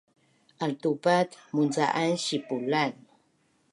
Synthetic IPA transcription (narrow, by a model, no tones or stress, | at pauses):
ʔalt̪upat̪munt͡sa̰ʔanɕipulan